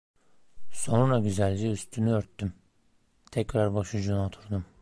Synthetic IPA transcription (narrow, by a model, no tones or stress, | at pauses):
so̞nɾaɟyzælʲd͡ʒiyst̪ʰynyøɾt̪ːym | t̪ʰɛcɾaɾbaʃud͡ʒunot̪ʰuɾd̪um